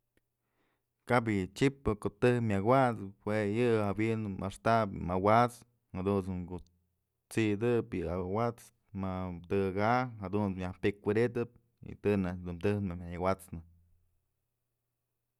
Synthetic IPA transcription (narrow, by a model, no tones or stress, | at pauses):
kab̬ɨt͡ʃipːɨkot̪ɨhmʲawat͡shwejɨawinmʔa̰ʂt̪apmawat͡s | had̪usmɡu | t͡siʔd̪ɨpjɨawat͡s | mat̪ɨɡaɦad̪unjahpʲekkʷid̪it̪ɨp̚ | ḭt̪ɨnad̪umt̪ɨhnmamʲajawat͡snɨ